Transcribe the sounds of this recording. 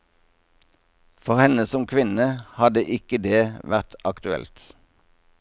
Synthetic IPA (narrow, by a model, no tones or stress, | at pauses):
fɔʁhɛnəsɔmkʰʋɪnəhɑd̪əʔɪkəd̪eːʋæʁt̪ɑkt̪ʉɛ̰lt̪